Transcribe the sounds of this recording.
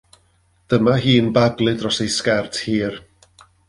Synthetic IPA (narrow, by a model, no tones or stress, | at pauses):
d̥əmaɦiːnbaɡlˠɨdrɔsejskɛrtʰhiːr